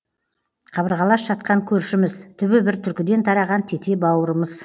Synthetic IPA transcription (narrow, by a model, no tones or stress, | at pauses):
qʰɑβəɾʁɑlˠɑsʒ̥ɑt̪̚qɑŋkʲʰɵɾʃɪmɪzt̪ʰʏbɪbɪɾt̪ʰʏɾkʲɪd̪ent̪ʰɑɾɑʁɑnt̪ʰe̞t̪ʰe̞bɑwəɾəməz